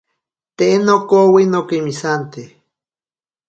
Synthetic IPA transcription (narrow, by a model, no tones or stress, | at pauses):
t̪eʔenokowinokimisant̪e